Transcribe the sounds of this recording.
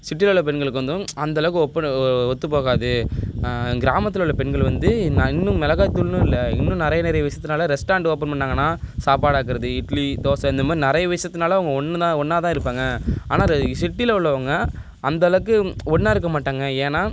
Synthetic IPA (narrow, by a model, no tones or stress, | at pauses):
sɪʈ̬ːɪlɐʊɭːɐpɛɳɡɐɭɯkːɯʋɐnd̪ɯ̃ɐnd̪ɐɐɭɐkːɯɔpːɐnɔt̪ːɯpoːɣaːðɯ | ɡɪɾaːmɐt̪ːɯlʊɭːɐpɛɳɡɐɭʋɐnd̪ɯnɪnːɯ̃mɛlɐɣaːt̪ːʊlnɯ̃ɪlːɐɪ̰nːɯ̃nɪɾɐjɐnɪɾɐjɐʋɐɪsɐt̪ːɯnaːlɐɾɛsʈaːɳɖoːp̬ːɐnpɐɳːaːŋɡɐnːaːsaːpaːɽaːkɪɾɐðɯɪʈlit̪oːsɐ̃ɪnd̪ɐmaːɾinɪɾɐjɐʋɐɪsɐt̪ːɯnaːlɐɐʋɐŋɡɐɔɳːɯt̪ãːɔɳːaːt̪ãːɪɾɯpːaːŋɡɐaːnaːsɪʈːɪlɐʊɭːɐʋɐːŋɡɐː | nd̪ɐɐlɐkːɯɔnːaːɪɾɯkːɐmaːʈːaːŋɡɐeːnaː